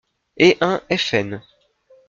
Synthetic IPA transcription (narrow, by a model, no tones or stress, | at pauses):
eʔɛ̃ɛfɛn